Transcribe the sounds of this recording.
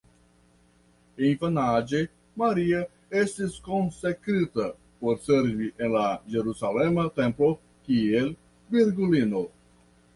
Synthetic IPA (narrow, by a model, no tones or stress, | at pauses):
infanad͡ʒe | maɾia | e̞stisko̞nsekɾita | po̞ɾseɾviʔe̞nlad͡ʒe̞ɾusalemate̞mplo̞ | kiel | viɾɡulino